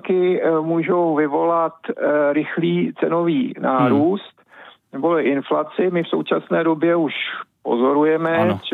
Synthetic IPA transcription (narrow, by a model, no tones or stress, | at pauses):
kɪmuːʒo̞wvɪvo̞lat̪ɾɪxliːt͡sɛno̞viːnaːɾuːst̪nɛbolɪʔɪnflat͡sɪmɪfso̞̰wt͡ʃasnɛːdo̞bjɛuʃpo̞̰zo̞ɾujɛmɛ